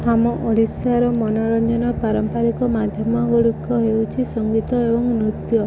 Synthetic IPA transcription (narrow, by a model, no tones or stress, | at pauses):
hamɔʔɔɽisaɾɔmɔnɔɾɔnd͡ʒɔnɔpaɾɔmpaɾikɔmad̪ʱjɔmɔɡoɽikːɔɦewt͡ʃʰisɔŋɡit̪ɔebɔŋnɾut̪jɔ